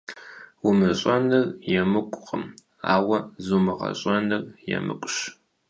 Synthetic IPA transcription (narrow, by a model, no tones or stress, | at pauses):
wʊmɨɕʼɐnɨrjɛmɨkʷʼqʼəm | a̰ːwɐzumɨʁɐ̰ɕʼɐnɨrjɛ̰mɨ̰kʷʼɕ